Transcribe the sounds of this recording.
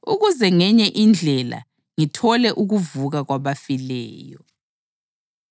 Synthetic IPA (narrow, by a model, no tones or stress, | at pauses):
uɣuzɛŋɛɲɛʔind͡ɮʱɛla̰ | ŋitʰɔlɛʔuɣuvuɣaɣwaβafilɛ̰ːjɔ